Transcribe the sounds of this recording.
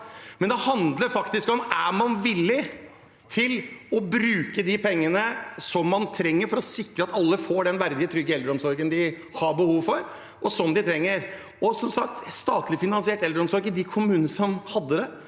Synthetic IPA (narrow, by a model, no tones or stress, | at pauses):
mɛnd̪ɛhɑnd̪ləɾfɑkt̪ɪskɔmæmɑnʋɪlːɪ | t̪ʰɪlɔbɾʉːkəd̪ɪpʰɛŋːənəsɔmːɑnt̪ʰɾɛŋːəɾfɔɾɔsɪkɾəɑt̪ɑlːəfoːɖɛnʋæɾd̪ɪət̪ʰɾʏɡːəɛld̪ɾəɔmsɔɾɡənd̪ɪ | hɑbəhuːʋfɔɾ | ʔɔsɔmd̪ɪt̪ʰɾɛŋːəɾ | ɔsɔmsɑk̚t̪st̪ɑːt̪ʰlɪfɪnɑnsɪɛːʈɛld̪ɾɔmsɔɾɡɪd̪ɪkʰʊmʉːnənəsɔmhɑd̪ːəd̪ɛ